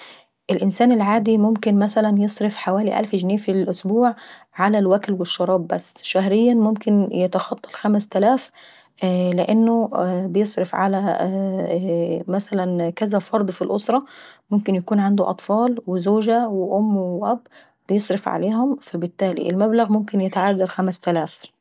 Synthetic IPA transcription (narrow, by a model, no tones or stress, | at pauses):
ʔɪlʔɪnsæːnɪlʕaːd̪imʊmkɪnmæsælænjɨsˤɾefħawæːliʔæ̰lfʒneːfilʔʊsbuːʕ | ʕalælwæklwɪʃːɑɾˤɑːbːæsːʃæɦɾɪjːænmʊmkɪnjɪt̪ɑxɑt̪ˤːɑ̥lxæmst̪ælæːf | lɪʔɪnːʊbɪjesˤɾɪfʕa̰læ | mæsalænkæzafɑɾˤd̪ˤfilʔosɾˤɑmʊmkɪnjakuːnʕand̪uʔɑ̰t̪ˤfɑːlwɪzoːʒawɪʔʊmːwɪʔæbː | bɪjɨsˤɾɪfʕa̰leːhʊmfæbɪt̪ːaːlḭʔɪlmablaɣmʊmkɪnjɪt̪aʕadːɑɾxamst̪alaːf